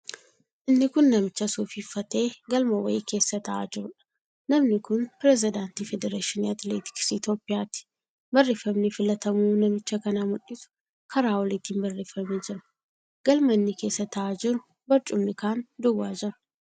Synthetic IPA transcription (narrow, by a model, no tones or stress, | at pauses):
ʔɪnːɪkʊnːɐmɪt͡ʃːɐsuːfiːfːɐt̪e̞ːɡɐlmɐwɐ̰jke̞ːsːɐt̪ɐʔa̰d͡ʒɪɾʊᶑɐ̥ | nɐmnɪkʊnpɪɾɛs̬ɪd̪aːnt̪iːfɛd̪ɛɾeːʃɪniɐt̪leːt̪ɪ̥ksɪt̪oːpʼːɪjaːt̪ɪ̥ | bɐrːeːfːɐmnɪfɪlɐt̪ɐmuːnɐmɪt͡ʃːɐkɐnamʊᶑɪsʊ̥ | kʰɐɾaːwɔlɪt̪iːnbɐrːeːfːɐmeːd͡ʒɪɾɐ̥ | ɡ̥ɐlmɐnːɪke̞ːsːɐt̪ɐʔaːd͡ʒɪɾʊ | bɐɾt͡ʃʼʊmnɪkaːnd̪ʊwaːd͡ʒɪɾʊ̥